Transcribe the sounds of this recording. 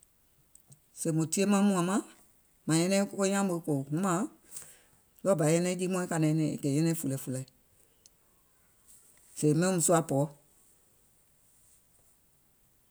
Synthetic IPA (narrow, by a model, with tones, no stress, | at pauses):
se˨mõ˨ti˦e˦mã˦mũ˨ã˨mã˦ | mã˨jɛ̃˧nɛ̃˦ko˦ko˦ɲã˦mo˧˦ko˨ŋũ˦mã˨˦ | lɔ˦˨ba˨˦ɛ̃˦nɛ̃˦d͡ʒi˦mɔ̃˦ĩ˦ka˨nɛ̃˨˦nɛ̃˨ḛ˨kɛ˨jɛ̃˦nɛ̃˦fu˨lɛ˨˦fu˨la˨i˨ | se˨mɛ̃˦mũ˨su˦a˨˦pɔː˨˦